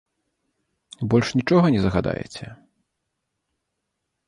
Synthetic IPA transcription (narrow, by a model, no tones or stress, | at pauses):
bɔlʲʂnʲit͡ʂɔɣɐnʲɛzɐɣad̪a̰jɛ̰t͡sʲɛ